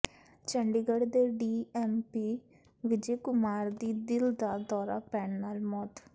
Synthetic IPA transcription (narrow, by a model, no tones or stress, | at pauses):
t͡ʃəɳɖiɡəɽd̪eːɖiːɛːmpiː | ʋɪd͡ʒeːkʊmaːɾd̪iːd̪ɪld̪aːd̪ɔːɾa̰ːpɛːɳnaːlmɔːt̪